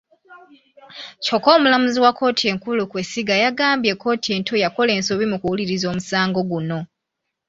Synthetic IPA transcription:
co̞ko̞ːmulamuziwako̞ːtʰie̞ːŋkulukwe̞siɡajaɡaːmbje̞kːo̞ːtie̞ːntʰo̞jako̞le̞ːnso̞βimukuwuliɾizo̞ːmusaːŋɡo̞ɡuno̞

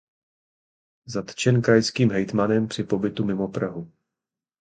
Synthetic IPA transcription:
zat̪t͡ʃɛnkɾajskiːmɦɛjt̪manɛmpr̥ɪpo̞bɪt̪umɪmo̞pɾaɦu

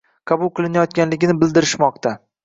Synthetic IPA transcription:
qʰɑbʊlˠqʰɨlˠɪnajɒt̪̚kʲanlɪɡʲɪnɪbɪld̪ɪɾɪʃmɒq̚t̪ʰa

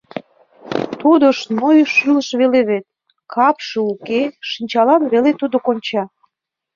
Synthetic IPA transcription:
t̪od̪əʃnojʃylə̆ʃβeleβet̪̚ | kɑpʃɤukeʃinʲt͡ɕɑlɑnβelet̪ud̪okonʲt͡ɕɑ

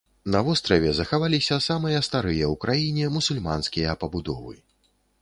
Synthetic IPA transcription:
nɐvɔst̪ɾɐvʲɛzɐxavalʲisʲɐsamɨjɐst̪aɾɨjɐwkɾajinʲɛmusulʲma̰nskʲijɐpɐbud̪ɔ̰vɨ̰

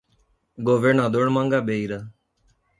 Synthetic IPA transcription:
ɡoːʋenad̪oɳmãŋɡabeːiɾa

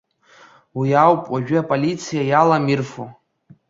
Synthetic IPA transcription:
wiawpʼwaʒᶣʏapʼolit͡sʰijajalamirfo

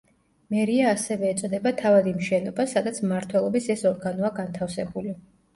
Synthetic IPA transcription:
mɛɾiaːsɛvɛːt̪sʼɔd̪ɛbat̪ʰavad̪imʃɛnɔbasad̪at̪sʰmaɾt̪ʰwɛlˠɔbisɛsɔɾɡanɔaɡant̪ʰafsɛbuli

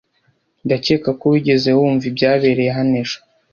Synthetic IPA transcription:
ndace̞ːkakoβiɟe̞ze̞wuːɱvibɟaːβe̞ːɾejeɦaneʃo

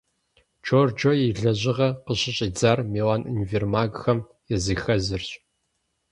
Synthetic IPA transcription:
t͡ʃʰoːrd͡ʒojiɮɐʑɪʁɐqəɕʼɪɕʼiːd͡zaːrmeːwaːnʔḭnvermaːɡxɐm | jɛzɨxɐzɨrɕʼ

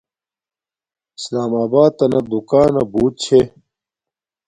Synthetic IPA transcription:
i̥slaːmaːbaːd̪̚t̪ɐnɐd̪ukaːnɐbuːt̪̚t͡ɕʰe

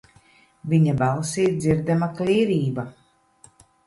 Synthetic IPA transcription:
viɲabalˠsiːt̪̚d̪ziɾd̪amaklʲiːɾiːba

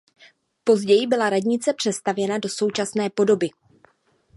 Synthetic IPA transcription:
po̞zɟɛjɪbɪlaɾadɲɪt͡sɛpr̥ɛst̪avjɛnado̞so̞wt͡ʃasnɛːpo̞do̞bɪ

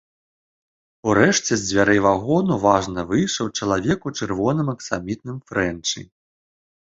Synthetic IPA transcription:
uɾɛʂt͡sʲɛzʲd͡zʲvʲaɾɛjvaɣɔnuvaʐnɐvɨjʂɐwt͡ʂɐlˠavʲɛkut͡ʂɨrvɔnɨmɐksamʲit̪̚nɨmfɾɛnt͡ʂɨ̰

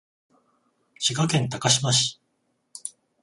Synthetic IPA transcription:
ɕikakẽ̞nt̪akaɕimaɕi̥

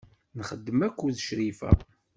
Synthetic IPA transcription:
nχəd̪ːəmækʷːuðʃɾifæ̰

